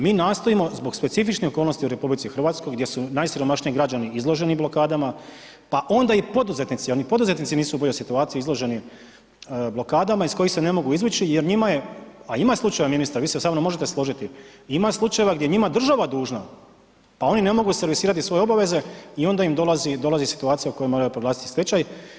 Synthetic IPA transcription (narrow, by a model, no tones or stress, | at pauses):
miːnaːst̪o̞imo̞zbo̞ɡspe̞t̪sifit͡ʃnixokolno̞st̪iuɾe̞publit̪sixrʋaːt̪skojɡd̪je̞sunajsiɾo̞maʃɲiiɡɾad͡ʑaniizlˠo̞ʒe̞niblˠo̞kaːd̪ama | paʔo̞nd̪aipo̞d̪uze̞t̪nit̪sijeɾnipo̞d̪uze̞t̪nit̪siniːsubo̞ʎosit̪uaːt̪siizlˠo̞ʒe̞ni | blo̞kaːd̪amaisko̞jixsene̞mo̞ɡuizʋut͡ʃijeɾɲimajeaimaslˠut͡ʃajeʋaminist̪aɾʋiːsesaːnomo̞ʒe̞t̪eslˠo̞ʒit̪iimaslˠut͡ʃaje̞ʋaɡd̪je̞ɲimad̪r̩ʒaʋad̪uːʒna | pao̞nine̞mo̞ɡuse̞ɾʋisiːɾat̪isʋo̞je̞obaʋe̞ze̞io̞nd̪aimd̪o̞lazid̪o̞lazisi̥t̪uaːt̪sijauko̞jojmo̞ɾajupɾoɡlˠaːsi̥t̪i̥set͡ɕaj